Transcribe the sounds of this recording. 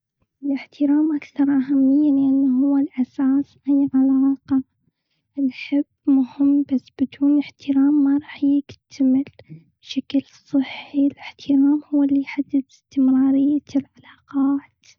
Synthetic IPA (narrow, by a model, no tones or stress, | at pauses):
ʔʔɪlɪħt̪ɪɾaːmʔakθɑɾˤʔaɦamːɪjːalɪʔanːaɦʊwːalʔasaːsʔajʕalaːqɑ | nħɪbːmʊhɪmːbasːbɪd̪uːnɪħt̪ʰɪɾaːmːaɾˤɑːħjɪɡt̪ʰamɪl | b̥ʃaklsˤːɨħːilɪħt̪ʰɪɾaːmhʊwːɪlːijħad̪ːɪd̪ɪst̪ɪmɾɑːɾɪjːalʕalaːqɑːt̪